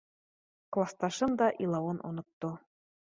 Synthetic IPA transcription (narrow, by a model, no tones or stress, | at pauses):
klˠɑst̪ɑʃɤ̆md̪ɑʔilˠɑonʔo̰nɤ̆t̪ːo